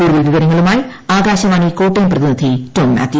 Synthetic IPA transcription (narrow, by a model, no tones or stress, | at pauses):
uːɽuʋɐlʋiʋɐɾɐŋːɐɭumaːji | aːɡaːɕɐmaːɳiːko̞ːʈːɐjmprɐðinid̪ʱitoːnma̰ːt̪ːi